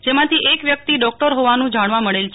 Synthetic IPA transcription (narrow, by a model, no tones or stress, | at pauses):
d͡ʒemãt̪ʰiʔekʋjək̚t̪iɖɔk̚ʈəɾɦoʋanũd͡ʒaɽ̃ʋaməɭelt͡ʃʰ